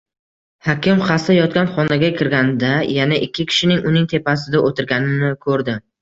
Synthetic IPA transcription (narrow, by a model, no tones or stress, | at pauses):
hakʲɪmχɑsajɒt̪̚kʲanχɒnaɡʲakʲʰɪɾɡʲand̪ajanaʔɪkʲʰːɪkʲʰɪ̥ʃɪnɪŋʔʊnɪŋt̪ʰe̞pasɪd̪aʔot̪ʰɪɾɡʲanɪnɪkʰɵɾd̪ɪ